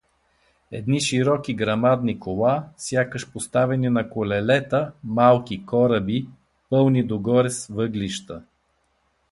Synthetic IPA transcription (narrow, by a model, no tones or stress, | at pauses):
ɛd̪niʃiɾɔkʲiɡɾɐmad̪nikolˠasʲjakəʃpost̪avɛninɐkolɛlɛt̪əmalˠkʲikɔɾəbi | pɤlˠnid̪oɡɔɾɛsvɤɡliʃt̪ə